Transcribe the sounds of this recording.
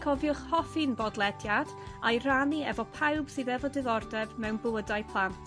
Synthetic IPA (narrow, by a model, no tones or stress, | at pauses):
kʰɔvjʊχhɔfinbɔdlˠɛdjad̥ajraniɛ̰vɔpʰawb̥sɨðɛvɔdɪðɔrdɛvmɛwnbʊədajpʰlˠant